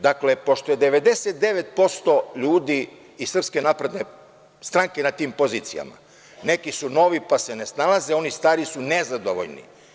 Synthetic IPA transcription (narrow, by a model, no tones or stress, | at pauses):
d̪akle̞po̞ʃt̪ojed̪eʋe̞d̪e̞set̪̚d̪eʋet̪̚po̞st̪o̞ʎuːd̪iː | sr̩pske̞napɾed̪ne | st̪ɾaŋke̞nat̪iːmpo̞ziːt̪sḭja̰ma̰ | ne̞kisuno̞ʋipasenesnalaze̞o̞nist̪aːɾisunezad̪oʋo̰ʎnḭ